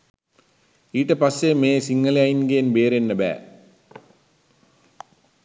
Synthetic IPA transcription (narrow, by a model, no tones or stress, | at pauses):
iːʈːɐpɐsːeːmeːsiŋːɐleajnɡeːnbeːɾenːɐbæ̰ː